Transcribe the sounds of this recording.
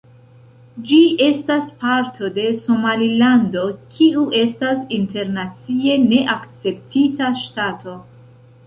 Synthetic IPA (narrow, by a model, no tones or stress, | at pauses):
d͡ʒiʔe̞staspaɾtʰo̞de̞so̞malilando̞kʰiuʔe̞stasinte̞ɾnat͡sie̞ne̞ʔakt͡se̞p̚titaʃtatʰo̞